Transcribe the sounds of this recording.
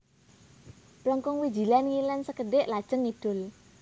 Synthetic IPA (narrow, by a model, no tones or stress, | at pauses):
plɔŋkɔŋwi̥d͡ʒi̤lanŋilɛnsəkəɖɪʔlad̥ʒ̥əŋːid̥ʊ̤l